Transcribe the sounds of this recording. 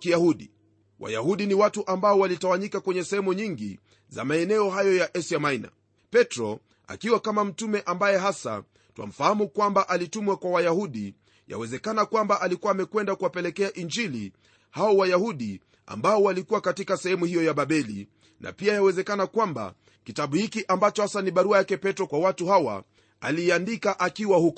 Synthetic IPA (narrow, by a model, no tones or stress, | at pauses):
ijahuɗi | wa̰jahuɗiniwatuʔambaɔwalitawaɲikakwɛɲɛsɛhɛmuɲiŋɡḭ | za̰maɛnɛɔɦajɔjaʔɛsiamaina̰ | pɛtɾɔ | a̰kiwakamam̩tumɛʔambajɛɦasa̰ | twa̰m̩fahamukwambaʔalitumwakwawajahuɗi | ja̰wɛzɛkanakwambaʔalikuwaːmɛkwɛndakuwapɛlɛkɛaʔind͡ʒili | haɔwajahuɗi | a̰mbaɔwalikuwakatikasɛhɛmuhijɔjaɓaɓɛlḭ | na̰piajawɛzɛkanakwamba̰ | kitaɓuhikiʔambat͡ʃɔhasaniɓaɾuajakɛpɛtɾɔkwawatuhawa̰ | aliːandikaʔakiwahukɔ